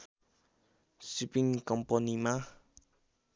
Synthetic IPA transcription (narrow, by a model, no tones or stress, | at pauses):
sipiŋkɔmpɔnima